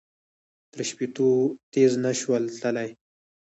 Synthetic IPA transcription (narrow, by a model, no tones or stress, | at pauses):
t̪ɾəʃpit̪ot̪eznaʃwəlt̪əlaj